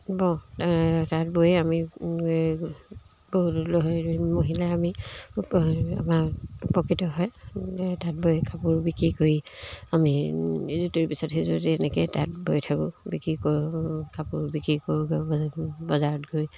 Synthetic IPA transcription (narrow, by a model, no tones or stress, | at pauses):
bɔ̃atat̚bojami | boɦutloɦɔmoɦilaami | a̰mapɔkitɔɦɔjtat̚bojkapʊɹbikɹikoɹiamiezutuɹpisɔtɦezuɛnɛketat̚bojtʰakʊbikɹikokapʊɹbikɹikoɹuɡ | bɔzaɹɔtɡoj